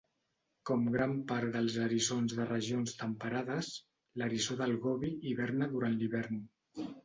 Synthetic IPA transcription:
kɔmɡɾampaɾd̪əlˠzəɾizonzðərəʒionst̪əmpəɾaðəs | ləɾizoðəlˠɣɔβiiβɛɾnəðuɾanliβɛɾn

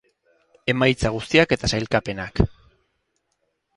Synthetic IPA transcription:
e̞majt͡saɣ̞ust̪iake̞t̪asajlkape̞nak

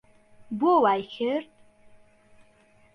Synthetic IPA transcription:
bowajxʲɪrtʼ

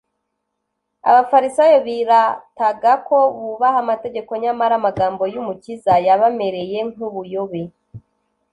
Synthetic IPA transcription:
a̰βafaɾisajoβiɾataɡako̞βuβahamate̞ɡe̞ko̞ɲamaɾamaɡaːmbo̞jumucizajaβame̞ɾe̞je̞ŋ̥uβujo̞βe

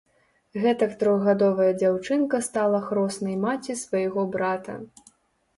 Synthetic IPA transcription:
ɣɛt̪ɐkt̪ɾɔɣɣad̪ɔvɐjɐd͡zʲawt͡ʂɨnkɐst̪alˠɐxɾɔsnɐjmat͡sʲisvɐjɣɔbɾat̪ɐ̰

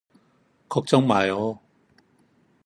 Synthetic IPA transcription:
kʰɔk̚t͡sɔŋmaːjɔ

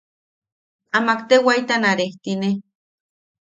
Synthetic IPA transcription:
amakt̪ewait̪anaɾeht̪ine

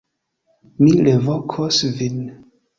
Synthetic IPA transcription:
milevokʰosvin

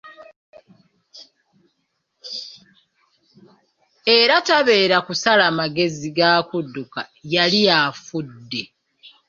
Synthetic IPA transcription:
e̞ɾataβe̞ːɾakusalamaɡe̞ziɡaːkudːukajalijafudːe̞

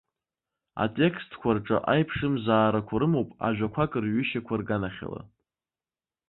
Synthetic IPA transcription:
a̰tʼe̞kʰstʰkʷʰarʈ͡ʂʼa̰ʔajpʰʂɨmzaːɾakʷʰaɾɨmowpʼa̰ʒᶣʷakʷʰakʼɨrɥʏʃakʷʰarɡanaχʲa̰la̰

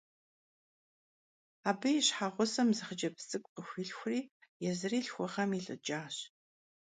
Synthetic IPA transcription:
aːbɨjiɕħaʁʷʊsɐmzɨχəd͡ʒɐpsʼɨkʷʼqəxʷiɬxʷriːjɛzɨriːɬxʷʊʁɐmiɬʼɨ̰d͡ʒaːɕ

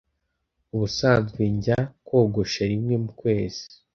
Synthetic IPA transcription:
uβusaːnzɡwiɲɟakwo̞ːɡo̞ʃaɾimŋe̞mukwe̞ːz̥i̥

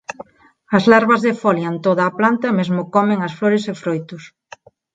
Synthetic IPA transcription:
ɐzlaɾβɐzðefɔljant̪oðaːplant̪ɐemezmʊkɔmeŋɐsfloɾesefɾojt̪ʊs

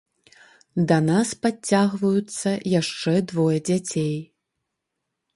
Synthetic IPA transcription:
d̪ɐnaspat͡sʲːaɣvɐjut̪sːɐjaʂt͡ʂɛd̪vɔjɐd͡zʲat͡sʲej

